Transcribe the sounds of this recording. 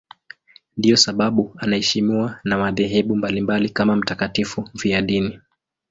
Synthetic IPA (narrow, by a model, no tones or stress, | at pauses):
ndijɔsaɓaɓuanahɛʃimiwanamaðɛɦɛɓumbalimbalikamam̩takatifuviaɗini